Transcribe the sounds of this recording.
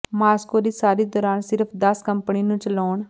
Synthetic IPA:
maːskoːɾiːsaːɾiːd̪ɔːɾaːnsɪɾəpʰd̪əskəmpniːnũːt͡ʃəlɔːɳ

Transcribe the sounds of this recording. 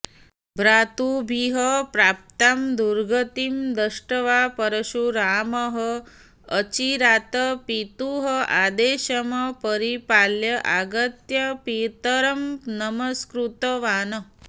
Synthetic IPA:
bɾaːt̪ubʱiɦəpɾaːp̚t̪amd̪uɾɡɐt̪imd̪ɐʂʈɐʋapɐɾɐʃuɾaːmɐɦəː | t͡ʃiɾaːt̪ɐpit̪uɦɐaːd̪eːʃɐmɐpɐɾipaːljɐʔaɡɐt̪jɐpiːt̪ɐɾɐmnɐmɐskɾut̪ɐʋaːnə

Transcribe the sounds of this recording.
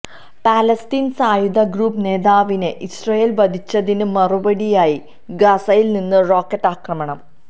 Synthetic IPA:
paːlɐstiːnsaːjud̪ɐɡruːpne̞ːðaːʋineʔisrɐjeːlʋɐd̪ʱit͡ɕːɐðinɨmɐrubɐɽijaːji | ɡɐsɐjilninːɨro̞ːkːɐʈːaːkrɐmɐɳɐm

